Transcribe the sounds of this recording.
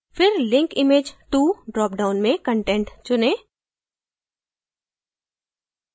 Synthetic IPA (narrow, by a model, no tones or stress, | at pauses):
fɪɾlɪ̃ŋkɪmeːd͡ʒʈuːɖɾɔːp̚ɖaːʊnmẽkə̃ɳʈɛ̃ːɳʈt͡ʃʊneː